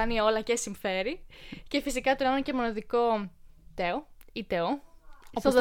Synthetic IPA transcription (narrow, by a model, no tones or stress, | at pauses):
ɐnio̞lɐcesiɱfe̞ɾice̞fisikɐt̪oɾɐnɐcemo̞nɐðiko̞t̪eoit̪eoooz